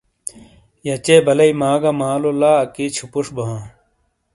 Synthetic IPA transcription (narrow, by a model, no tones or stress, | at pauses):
jɐt͡ɕeːbɐlɐimaːɡɐmaːlolaːɐkit͡ɕʰupuʂbɐɦãː